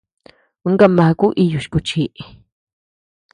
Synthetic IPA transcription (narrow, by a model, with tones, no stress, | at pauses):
u˦ŋɡa˦ma˨ku˦ʔi˧ju˨ʃkʊ˧t͡ʃi˦ʔ